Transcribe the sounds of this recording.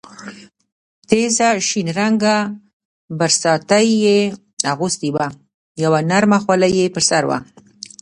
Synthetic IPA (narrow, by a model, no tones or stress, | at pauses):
t̪ezaʃinɾaŋɡa | baɾsɑt̪ajːe | aɣust̪iwa | jawanaɾmaxwalajepəɾsaɾwa̰